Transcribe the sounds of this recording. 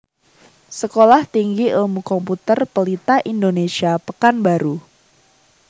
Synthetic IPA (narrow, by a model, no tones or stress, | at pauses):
səkolaht̪iŋɡiʔulmukɔmput̪ərpəlit̪aʔindonesiapəkanbaɾu